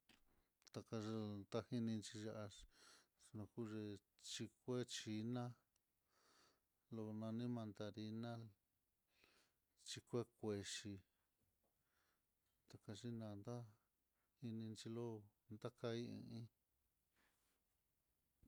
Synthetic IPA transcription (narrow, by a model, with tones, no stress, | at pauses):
t̪a˧ka˧ʒo˧nd̪a˦hi˧nĩ˧nt͡ʃi˧ʒa˦ʔa˧ | nõ˧ku˦ʐe˧ | t͡ʃi˧kʷe˦t͡ʃi˧nã˦ | lo˧nã˧nĩ˦mã˧nd̪a˧ɾi˧nã˦ | t͡ʃi˧kʷe˦kʷe˧ʃi˧ | t̪a˨ka˧ʐi˦nã˧nd̪a˦ | hi˧nĩ˧nt͡ʃi˧lo˦nd̪a˦ka˧˦i˦ḭ̃˧ĩ˦